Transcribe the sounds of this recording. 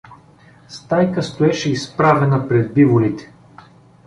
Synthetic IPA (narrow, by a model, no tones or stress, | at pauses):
st̪ajkəst̪oɛʃɛispɾavɛnəpɾɛd̪̚bivolit̪ɛ̥